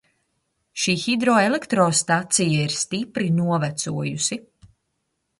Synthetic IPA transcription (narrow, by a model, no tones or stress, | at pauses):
ʃiːxid̪ɾɔːelekt̪ɾɔːst̪at̪sijaiɾst̪ipɾinuɔvæt̪suɔjusi